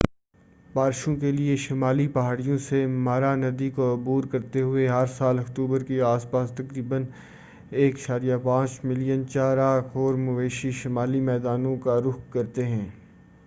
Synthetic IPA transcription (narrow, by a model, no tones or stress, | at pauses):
baːɾʃõkelieʃɪmaːlipɐɦaːɽijõsemaːɾanɐd̪ikoʊbuːɾkɐɾt̪eɦʊeɦɐɾsaːlɐkt̪uːbəɾkeaːspaːst̪ɐkɾiːbən | eːkʃaːɾijapãːt͡ʃmɪlijənt͡ʃaːɾaːkʰɔːɾmʊʋeːʃiʃɪmaːlimɛːd̪aːnõkaɾʊkkːɐɾt̪eɦɛ̃ː